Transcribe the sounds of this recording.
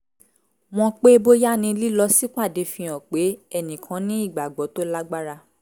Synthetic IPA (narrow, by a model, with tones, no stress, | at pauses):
w̃ɔ̃˧k͡pe˦bo˦ja˦nĩ˧li˦lɔ˧si˦k͡pa˦˨de˧fĩ˧ɔ̃˨k͡pe˨˦ɛ˦˨nĩ˨kʰã˨˦nĩ˦i˦˨ɡ͡ba˨ɡ͡bɔ˨˦to˦la˦ɡ͡ba˦ɾa˦˧